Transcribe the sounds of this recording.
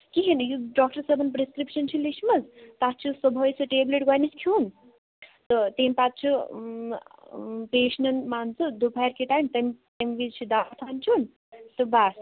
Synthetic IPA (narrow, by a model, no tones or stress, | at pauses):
kiɦenjuɖɔːk̚ʈɐɾsɐbɐnpɾeskɾipʃɐnt͡ʃʰulismɐzt̪at̪̚t͡ʃʰusɔbʱojsɨʈeːbleʈ̚ɡajniskʰjuːn | t̪ɔt̪empat̪̚t͡ʃʰu | peːʃnɐnmant͡sud̪upʰajɾkiʈajmt̪ɐmt̪ɐmʋit͡ʃʰid̪at̪ʰant͡ʃʰun | sɐbas